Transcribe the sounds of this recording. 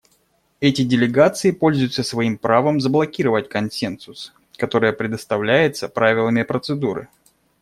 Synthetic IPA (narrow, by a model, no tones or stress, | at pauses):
ɛtʲɪdʲɪlʲɪɡat̪sɨɪpo̞lʲzʊjʊt̪səsvɐimpɾavəmzəblˠɐkʲiɾəvətʲkɐnsʲensʊs | kɐt̪o̞ɾɨjəpɾʲɪd̪əst̪ɐvlʲæjɪt̪səpɾavʲɪlˠəmʲɪpɾət̪sɨd̪uɾɨ̰